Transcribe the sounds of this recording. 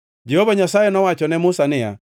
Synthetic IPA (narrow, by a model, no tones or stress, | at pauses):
d͡ʒɛhovaɲasajɛnɔwat͡ʃɔnɛmʊsanɪja̰